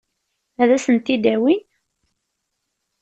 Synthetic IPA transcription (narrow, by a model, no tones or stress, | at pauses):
æðæsənt̪ːid̪æwin